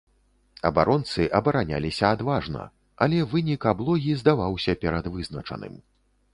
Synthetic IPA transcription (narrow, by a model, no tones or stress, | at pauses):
ɐ̰baɾɔnt̪sɨʔɐbɐɾanʲa̰lʲisʲɐad̪vaʐnɐ̰ | ɐlʲɛvɨnʲikablˠɔɣʲizd̪avawsʲɐpʲɛɾɐd̪vɨznɐt͡ʂɐ̰nɨ̰m